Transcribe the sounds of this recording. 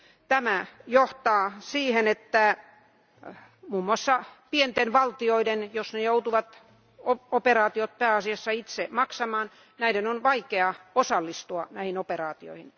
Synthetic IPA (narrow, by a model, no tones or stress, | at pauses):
t̪æmæjoht̪ɑːsiːhenet̪ːæ | muːmːuɑsːɑpient̪enʋɑlt̪ioidenjosnejout̪uʋɑt̪ | ooperɑːt̪iot̪̚peæːɑsiɑsːɑit̪semɑksɑmɑːn | næidenonʋɑikeɑosɑlːist̪uɑnæhinoperɑːt̪io̰ihin